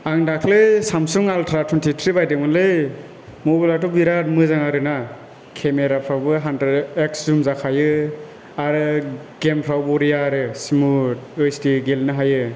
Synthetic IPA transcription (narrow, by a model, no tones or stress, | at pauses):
aŋdakʰlɯsamsuŋaltʰɾatʰuntʰitʰɾibajdɯmɯnlɯ | mobalatɔbiɾat̚mɯzaŋaɾɯna | kʰemeɾapʰɾawbɯɦandɾedekszumzakʰajɯ | aɾɯ | ɡempʰɾawbuɾijaɾɯsimuɯjstiɡelnɯɦajɯ